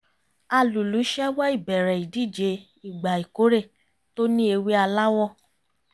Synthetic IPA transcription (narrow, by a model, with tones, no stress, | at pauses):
a˧˨lu˨lu˨˦ʃɛ˦wa˦i˦˨bɛ˨ɾɛ˨i˨di˦˨d͡ʒe˧ | i˦˨ɡ͡ba˨i˨ko˨˦ɾe˦˨ | to˦nĩ˦e˧we˦a˧la˦wɔ˦˨